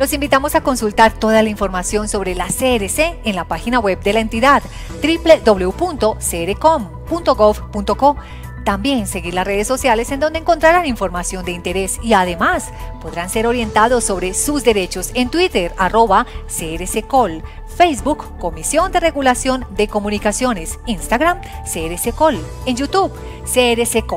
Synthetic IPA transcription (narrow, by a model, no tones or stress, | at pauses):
lo̞simbit̪amo̞sako̞nsult̪aɾt̪o̞ðalaĩɱfo̞ɾmasjo̞nso̞βɾe̞laseɾeseːnlapaxinawe̞b̚d̪e̞laent̪iðað | t̪ɾipled̪o̞βle̞upunt̪o̞seeɾeko̞m | punt̪o̞ɣofpunt̪o̞ko̞ | t̪ambje̞nse̞ɣiɾlasre̞ð̞e̞sːo̞sjale̞send̪ond̪eŋko̞nt̪ɾaɾaniɱfo̞ɾmasjo̞nd̪e̞int̪eɾe̞siaðe̞mas | po̞ðɾanse̞ɾo̞ɾje̞nt̪aðosːo̞βɾe̞suzd̪e̞ɾe̞t͡ʃo̞se̞nt̪wit̪eɾaro̞βaseɾesekol | fejzbukːo̞misjo̞nd̪e̞re̞ɣulasjo̞nd̪e̞ko̞mũnikasjo̞ne̞sinst̪aɣɾam | seeɾesekol | enjut̪uβ | seeɾeseko